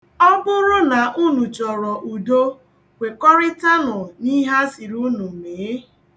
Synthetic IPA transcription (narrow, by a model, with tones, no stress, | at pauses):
ɔ˦bʊ˦ɾʊ˦na˨ʔu˦nu˨t͡ʃɔ˨ɾɔ˨ʔu˨do˦ | kʷe˨kɔ˦ɾɪ˦ta˦nʊ˨ni˦ɦa˦si˨ɾu˦nu˨m̩˨meː˨˦